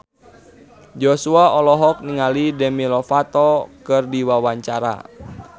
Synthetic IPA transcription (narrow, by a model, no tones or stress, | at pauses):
d͡ʒɔsuaɔlɔɦɔk̚niŋalidɛmilɔfat̪ɔkɨrdiwawaɲt͡ʃaɾa̰